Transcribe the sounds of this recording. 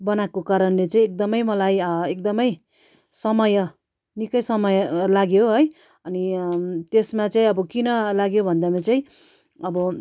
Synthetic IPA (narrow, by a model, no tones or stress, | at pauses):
bʌnakokaɾʌnlet͡saĩek̚d̪ʌmʌjmʌlajekd̪ʌmʌj | sʌmʌjʌ | nikʌjsʌmʌjʌlaɡjoɦʌj | ʌnit̪esmat͡saĩʌbʌkinʌlaɡjobʱʌnd̪amat͡saĩ | ʌbʌ